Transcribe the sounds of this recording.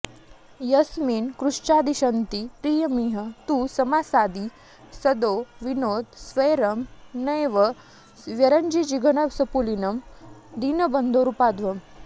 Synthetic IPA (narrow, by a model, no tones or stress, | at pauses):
jɐsmiːnkɾuʂt͡ɕad̪iɕənt̪ipɾiːjəmiːɦət̪uːsɐmasad̪i | səd̪oʋinod̪sʋəjɾɐmnəjʋə | ʋjɐɾəɲd͡ʑid͡ʑiɡʱənəʋsəpulinɐmd̪iːnəbənd̪oɾupad̪ʋɐm